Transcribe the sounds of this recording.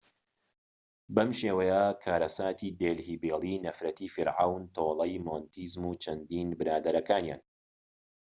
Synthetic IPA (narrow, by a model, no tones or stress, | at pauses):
bɐmʃeːwɐjɐkʰaːɾɐsaːt̪ʰiːd̪eːlhiːbeːlˠiːnɐfɾɐt̪iːfiɾʕawnt̪ʰoːlˠɐjmont̪ʰiːzmuːt͡ʃʰɐnd̪iːnbɨɾaːd̪ɐɾɐkaːnja̰ːn